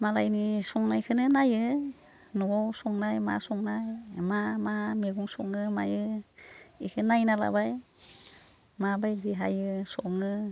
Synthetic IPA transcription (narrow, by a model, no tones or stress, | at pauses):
malajnisɔŋnajkʰɯnɯnajɯ | nɔbɔwsɔŋnajma̰sɔŋnajmamameɡuŋsɔŋɯmajɯ | ikʰɯnajnala̰baj | mabajdiɦa̰jɯsɔŋɯ